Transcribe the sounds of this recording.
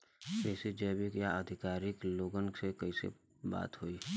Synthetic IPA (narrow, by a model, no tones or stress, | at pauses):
kɛːsed͡ʒɛːbɪkjaəd̪ʱɪkaːɾɪkloːɡənsekɐisḛ | ba̰ːt̪ɦoiː